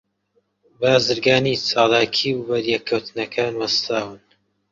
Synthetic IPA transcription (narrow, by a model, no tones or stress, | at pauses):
baːzɨɾɡaːniːt͡sʰaːlaːkʰiːbɐɾjɛkʰːɐwt̪ɨnɐkʰaːnwɐst̪ʰaːwɨn